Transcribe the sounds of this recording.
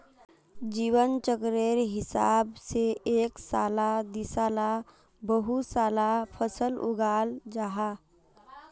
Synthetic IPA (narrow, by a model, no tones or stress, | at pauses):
d͡ʒiːwənt͡ʃəkɾeːɾɦɪsaːbseeːksaːlad̪ɪsaːla | bəɦusaːlapʰəsəlʊ̰ɡaːld͡ʒaɦa